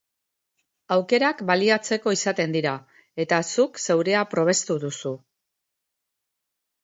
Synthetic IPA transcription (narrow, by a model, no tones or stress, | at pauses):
awke̞ɾakbaliat͡se̞ko̞isat̪e̞nd̪iɾa | e̞t̪asukse̞wɾe̞apɾo̞β̞e̞st̪uðusu